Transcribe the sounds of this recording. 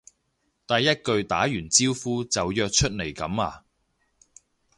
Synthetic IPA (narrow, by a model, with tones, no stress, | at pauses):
t̪aː˨jɐ˥t̚kɵ˧ɥt̪aː˨˥jyː˨˩nt͡siː˥wfuː˥t͡sɐ˨wjœː˧k̚t͡ʃʰɵ˥t̚ne˨˩jkɐ˨˥maː˧